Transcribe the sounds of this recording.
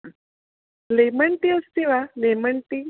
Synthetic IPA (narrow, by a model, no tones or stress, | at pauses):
leməɳʈiəst̪iʋaleməɳʈi